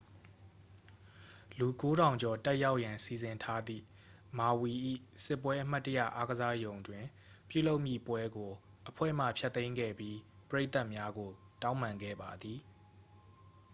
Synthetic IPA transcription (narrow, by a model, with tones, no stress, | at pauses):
lu˨ko˦ɾã˨ʊ̃ɲd͡ʑɔ˨tɛ˦ʔja˦ʊʔjã˨nsi˨zɪ̃˨ntʰa˦d̪ðḭ˦˨ | ma˨wi˨ʔḭ˦˨sɪ˦˨pːwɛ˦ʔəm̥a˦tːə˦ja̰˦˨ʔa˦ɡəza˦jõ˨ʊ̃ndwɪ̃˨ | pjṵ˦˨lo˦ʊʔmjḭ˦˨pwɛ˦ɡo˨ | ʔəpʰwɛ̰˦˨m̥ä̰˦˨pʰjɛ˦t̪ːẽ˦ɪ̃ŋɡɛ̰˦˨bji˦pəɹe˦ɪʔt̪a˦ʔmja˦ɡo˨ | tã˦ʊ̃mã˨ŋɡɛ̰˦˨ba˨d̪ði˨